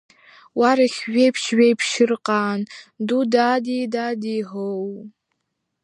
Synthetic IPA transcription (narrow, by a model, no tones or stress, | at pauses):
waɾaχʲʒʷᶣejpʰʃɥejpʰʃɪrqʼaːndudadidadiɦow